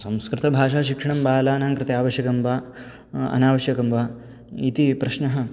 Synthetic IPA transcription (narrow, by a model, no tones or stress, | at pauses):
sɐ̃mskɾɪt̪ɐbʱaːʂaːʃikʂɐɳ̃ɐmbaːlaːnaːŋkɾɪt̪ejaːʋɐʃjɐkɐmʋaː | ɐ̰naːʋɐʃjɐkɐmʋaː | it̪ipɾɐʃnɐɦɐ